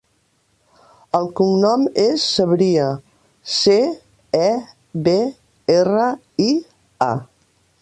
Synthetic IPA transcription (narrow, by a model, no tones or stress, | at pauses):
əlˠkuŋnɔmesːəβɾiə | se | ɛ | βe | erə | i | a̰